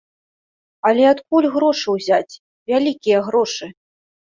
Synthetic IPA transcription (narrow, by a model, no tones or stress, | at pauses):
ɐlʲɛat̪k̚ulʲɣɾɔʂɨwzʲat͡sʲ | vʲalʲikʲijɐɣɾɔʂɨ